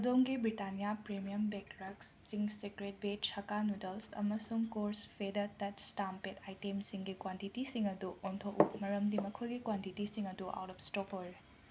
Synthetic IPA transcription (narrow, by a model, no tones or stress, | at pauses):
ɐdoŋɡibɾitanijapɾemijɐmbɛkɾɐksːiŋsekɾet̚bet͡ʃʰɐkanudɐlsɐ̰mɐsuŋkoɾspʰedɐtɐtstampetʰajtemsiŋɡikwantitisiŋɐduʔontʰoʔumɐɾɐmdimɐkʰojɡikwantitisiŋɐduʔa̰wtɔpstɔpo